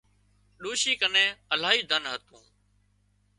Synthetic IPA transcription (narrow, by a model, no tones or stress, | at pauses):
ɗoːʃiːkənẽːəlaːɦiːd̪ʱənɦət̪ũː